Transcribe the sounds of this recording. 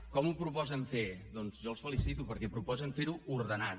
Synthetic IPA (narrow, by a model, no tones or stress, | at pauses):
kɔmupɾupɔzəɱfeðɔnzʒɔəlˠsfəlisit̪upəɾkɛpɾupɔzəɱfeɾuuɾðəna